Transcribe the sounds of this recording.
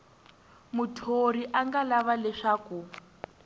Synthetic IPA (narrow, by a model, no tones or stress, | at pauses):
mutʰoɾiʔaŋɡalaβalɛʂaːku